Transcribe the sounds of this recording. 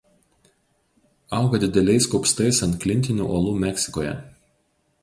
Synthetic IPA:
ɑˑʊɡɐd̪ʲɪd̪ʲɛlʲɛɪskɔʊpst̪ɐɪsɐnt̪klʲɪnʲt̪ʲɪnʲṵʔoːlˠuːmʲɛksʲɪkoːjɛ̰

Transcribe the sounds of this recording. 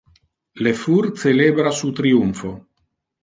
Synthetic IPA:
lefuɾt̪selebɾasut̪ɾiuɱfo

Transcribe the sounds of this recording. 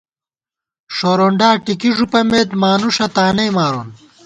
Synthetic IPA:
ʂoːɾoːɳɖaːʈikiʐupɐmeːd̪maːnuʂɐt̪aːnɐjmaːɾoːn

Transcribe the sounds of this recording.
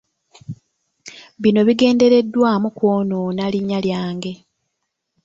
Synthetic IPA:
βino̞βiɡe̞ːnde̞ɾe̞dːwaːmukwo̞ːnoːnaliɲːaljaːŋɡe̞

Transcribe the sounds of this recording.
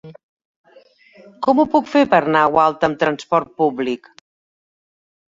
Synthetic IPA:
kɔmupukfepəɾnawalˠt̪əmt̪ɾənspɔɾt̪̚publik

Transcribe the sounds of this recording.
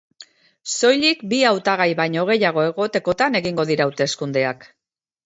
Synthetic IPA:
so̞jʎikbiawt̪aɣ̞ajβajɲo̞ɣ̞e̞jaɣ̞o̞e̞ɣ̞o̞t̪e̞ko̞t̪ane̞ɣiŋɡo̞ð̞iɾaːwt̪e̞skund̪e̞ak

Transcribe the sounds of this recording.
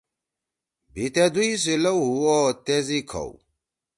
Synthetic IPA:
bit̪ed̪uis̬ilɐwɦuɔt̪ezikʰɐ̰w

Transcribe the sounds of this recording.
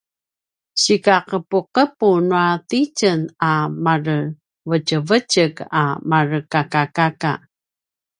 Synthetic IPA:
ɕikaqəpuqəpunuatit͡ʃənamarə | vət͡ʃəvəcəɡa̰marəkakakaka̰

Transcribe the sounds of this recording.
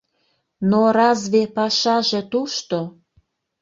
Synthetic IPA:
noɾɑzβepɑʃɑʒĕt̪uʃt̪o

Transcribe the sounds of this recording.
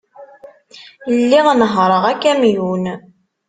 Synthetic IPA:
lːiʁnəɦɾˤəʁækːæmjun

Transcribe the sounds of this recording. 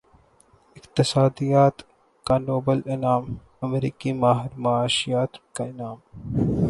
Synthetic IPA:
ɪkt̪ɪsaːd̪ijaːt̪ | kanoːbəlɪnaːm | ɐmɾiːkimaːɦɪɾmaːʃijaːt̪kaɪnaːm

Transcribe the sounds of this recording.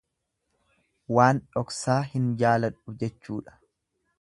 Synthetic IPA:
waːnᶑɔksaːhɪnd͡ʒaːlɐᶑʊd͡ʒɛt͡ʃːuːᶑɐ̥

